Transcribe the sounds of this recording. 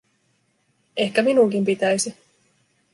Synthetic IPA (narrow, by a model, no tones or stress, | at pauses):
e̞hkæminuŋkimpit̪æjsi